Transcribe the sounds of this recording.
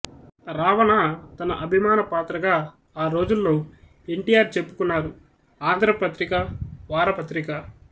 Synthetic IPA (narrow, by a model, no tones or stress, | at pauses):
ɾaːʋɐnɐt̪ɐnɐ̰ʔɐbʱimaːnɐpaːt̪ɾɐɡaː | aːɾo̞ːd͡ʒulːo̞ː | eɳʈijaːɾt͡ʃe̞pːukunːaːɾu | aːnd̪ʱɾɐpɐt̪ɾikɐʋaːɾɐpɐt̪ɾikɐ